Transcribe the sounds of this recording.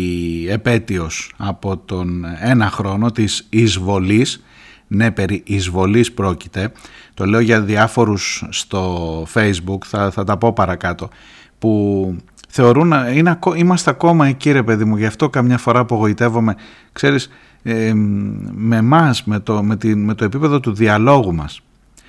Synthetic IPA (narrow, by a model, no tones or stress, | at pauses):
epe̞t̪io̞sɐpo̞t̪o̞ne̞nɐxɾo̞no̞t̪isizvo̞lis | ne̞pe̞ɾiʔizvo̞lispɾo̞ci̥t̪e̞t̪o̞le̞oʝɐðiɐfo̞ɾusːt̪o̞fe̞jzbukθɐθɐt̪ɐpo̞pɐɾɐkɐt̪o̞ | pu | θe̞o̞ɾunineɐkoimɐst̪e̞ɐko̞mɐeciɾe̞pe̞ðimuʝɐft̪o̞kɐmɲɐfo̞ɾɐːpo̞ɣo̞it̪e̞vo̞me̞ | kse̞ɾis | me̞mɐsmet̪ome̞t̪ime̞t̪oe̞pipe̞ðo̞t̪uðiɐlo̞ɣumɐ̰s